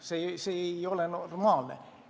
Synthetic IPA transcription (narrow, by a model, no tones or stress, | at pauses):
seseeiolenormɑːlnḛ